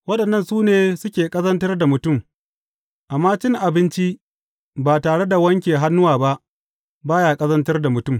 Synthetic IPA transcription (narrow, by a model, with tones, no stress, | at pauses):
wɐ˦ɗɐ˨nːɐ˦nsuː˦neː˨sʊ˦kʲeː˨kʼɐ˦zɐ˦ntɐ˦rda˨mʊ˨tʊ˦˨m | ʔa˨mːaː˦t͡ʃɪ˦ŋʔa˨bɪ˦nt͡ʃi˦ | baː˨taː˨ɽe˦da˨wɐ˦ŋkʲeː˨ɦa˦nːʊ˦waː˨ba˦ʔ | baː˦jaː˨kʼɐ˦zɐ˦ntɐ˦rda˨mʊ˨tʊ˦˨m